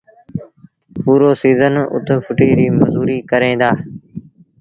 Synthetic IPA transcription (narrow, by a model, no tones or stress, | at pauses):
puːɾoːsiːzənʊ̰t̪pʰʊʈiːɾiːməzuːɾiːkəɾẽːd̪aː